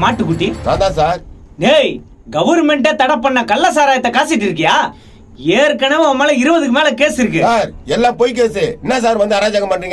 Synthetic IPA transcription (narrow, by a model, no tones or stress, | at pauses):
maːʈːɯkːʊʈːinã̰ːnd̪ãːsaːɾ | neːj | ɡɐʋɐɾmɛɳʈet̪ɐɽɐpːɐɳːɐkɐlːaːs̬aːɾaːjɐt̪ːɐkaːsɪʈːɪɾɯk̬ːɐjaː | eːɾkɐnɐʋ̃ɐmːɐːlɐɪɾɯʋɐðɯkːɯmeːlɐkeːsɪɾɯkːɯsaːɾɛlːãːpojk̬eːsɯɛnːɐs̬aːɾʋɐnd̪ɯɐɾaːd͡ʒaːɣɐmpɐɳːɾiːŋɡɐ